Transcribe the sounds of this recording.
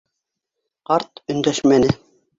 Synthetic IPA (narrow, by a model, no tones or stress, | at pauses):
qɑɾt̪ɵ̆nd̪æʃmænɘ